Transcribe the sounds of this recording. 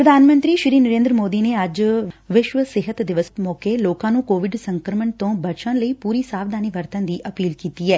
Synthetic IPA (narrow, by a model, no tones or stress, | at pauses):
pɾəd̪ʱaːnmə̃nt̪ɾiːʃɾiːnəɾẽːnd̪ɾəmoːd̪iːneːəd͡ʒʋɪʃʋəsɪɦət̪d̪ɪʋəst̪mɔːkeːloːkãːnũːkoːʋɪɖsəŋkɾəməɳt̪õːbət͡ʃãːləiːpuːɾiːsaːʋd̪aːniʋəɾt̪ə̃nd̪iːʔəpiːlkiːt̪iːɛː